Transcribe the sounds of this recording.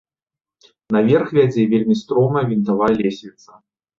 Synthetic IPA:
nɐvʲɛrxvʲæd͡zʲɛvʲelʲmʲist̪ɾɔmɐjɐvʲint̪alˠajlʲesʲvʲit̪sɐ

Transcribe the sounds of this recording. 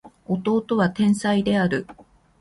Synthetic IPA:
o̞t̪o̞ːt̪o̞βat̪ẽ̞ɰ̃said̪e̞aɾɯ̟

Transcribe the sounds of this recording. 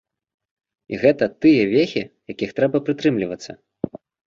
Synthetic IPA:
ḭɣɛt̪ɐt̪ɨjɐvʲexʲijakʲixt̪ɾɛbɐpɾɨt̪ɾɨmlʲivɐt̪sːɐ

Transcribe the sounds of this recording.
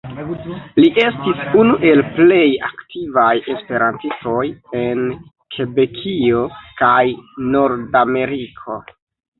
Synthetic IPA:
liʔe̞stisunuʔe̞lple̞ja̰ktivaje̞spe̞ɾantisto̞je̞n | kʰebe̞kʰio̞kajno̞ɾdame̞ɾikʰo̞

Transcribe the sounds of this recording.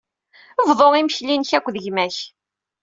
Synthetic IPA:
əvðˤoʁiməçlinçækʷːðəʝmæç

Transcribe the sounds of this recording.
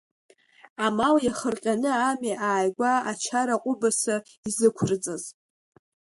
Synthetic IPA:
amaljaχərqʲʼanɨamiʔaːjɡʷaat͡ʃʰaɾaqʷʼʊbasa | izɨkʷʰrt͡sʼaz

